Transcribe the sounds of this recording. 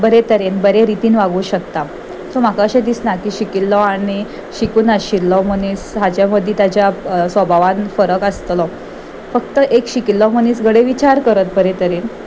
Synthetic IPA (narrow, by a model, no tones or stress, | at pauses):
bəɾet̪əɾenbəɾeɾit̪iːnʋaɡuːɕək̚t̪a | som̤akaɕed̪isnakiːɕikilːɔaɽ̃i | ɕikuːnəɕilːɔmənisɦad͡ʑjaməd̪ʱːjĩt̪at͡ɕjasʋəbʱaʋanfəɾəkəst̪lɔ | fəkt̪əʔekɕikilːɔməniːsɡʱəɽeʋit͡ɕaɾkəɾət̪̚bəɾet̪əɾen